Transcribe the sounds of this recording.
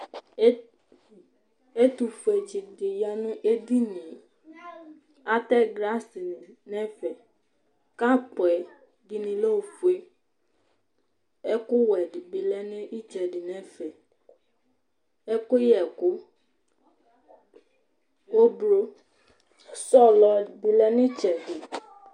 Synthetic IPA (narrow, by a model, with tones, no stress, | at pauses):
e˦t̪u˨fu˨ɛ˨d͡ʒi˨de˨ja˨nũ˦ʔe˦di˦nĩ˨ | a˦t̪ɛ˦ɡɾa˦si˨n˨nɛ̃˦fɛ˨ | ka˦k͡pɔ˨ɛ˨ | di˨nĩ˨lo˦o˨fu˨e˦ | e˦kʊ˦wɛ˨di˨bi˨lɛ˦nẽ˦ʔi˦t͡ʃɛ˨di˨nɛ̃˦fɛ˨ | e˦ko˦jɛ˨ku˦ | o˦bɾo˦ | sɔ˦lɔ˨bi˨lɛ˦nĩ˦t͡ʃɛ˨di˨